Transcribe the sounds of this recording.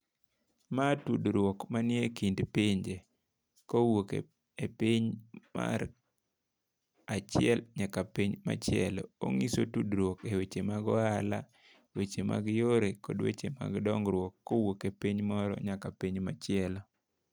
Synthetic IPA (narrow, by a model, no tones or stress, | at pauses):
matudɾwokmanɪekindpiɲd͡ʒe | kowokḛ | epiɲma̰ɾ | at͡ʃɪɛlɲakapiɲma̰t͡ʃɪɛlɔ̰o̰ŋisotudɾwokewet͡ʃemaɡɔala | wet͡ʃema̰ɡjoɾekɔ̰dwḛt͡ʃema̰ɡdɔŋɡɾwɔkːowokepiɲmɔɾɔ̰ɲakapiɲmat͡ʃɪɛlɔ